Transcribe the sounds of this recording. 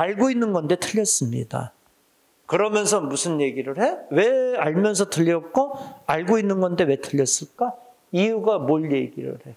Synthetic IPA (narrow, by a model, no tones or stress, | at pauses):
aɭɡoinːɯnɡʌnde̞tʰɯʎːjʌs͈ɯmɲḭda̰ | kɯɾʌmjʌnsʰʌmusʰɯnje̞ɡiɾɯɭhe̞we̞aɭmjʌns̬ʰʌtɯʎːʌk̚k͈oaɭɡoinːɯnɡʌnde̞we̞tʰɯʎːʌs͈ɯɭk͈a | iuɡamoɭje̞ɡiɾɯ̰ɭhe̞